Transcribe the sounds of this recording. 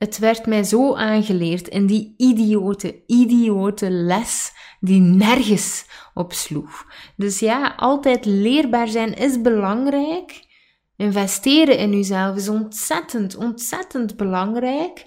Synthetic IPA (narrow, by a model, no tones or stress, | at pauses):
ətʋɛrtmɛːzoːʔaːnɣəleːrtɪ̰ndiidioːtəidioːtəlɛsdinɛrɣəsɔpsluxdɵsjaːɑlˠtɛːtleːrbaːrzɛnɪzbəlɑŋrɛːk | ɪnvɛsteːɾəɪnyːzɛlˠfɪs̬ɔntsɛtəntɔntsɛtəndbəlɑŋrɛjk